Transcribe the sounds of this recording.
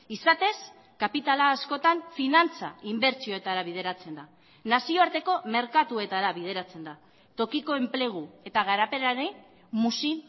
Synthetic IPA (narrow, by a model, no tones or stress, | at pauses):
isat̪e̞s | kapit̪alaːsko̞t̪aɱfinant͡sa̰imbe̞ɾt͡sioe̞t̪aɾaβ̞ið̞e̞ɾat͡se̞nd̪a | nasio̞aɾt̪e̞ko̞me̞ɾkat̪ue̞t̪aɾaβiðe̞ɾat͡se̞nd̪a | t̪o̞kiko̞e̞mple̞ɣ̞ue̞t̪aɣ̞aɾape̞ɾaɾe | musi